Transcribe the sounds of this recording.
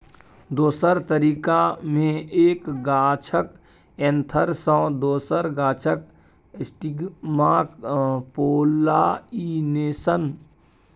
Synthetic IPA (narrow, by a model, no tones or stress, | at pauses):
d̪oːsəɾt̪əɾiːkamẽeːkɡaːt͡ʃʰək | ẽnt̪ʰəɾsɔ̃ːd̪oːsəɾɡaːt͡ʃʰək | sʈiɡmaːkpoːlaːineːsən